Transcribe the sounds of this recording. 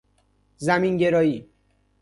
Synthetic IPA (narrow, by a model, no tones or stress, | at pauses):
zæminɟe̞ɾɒːjiː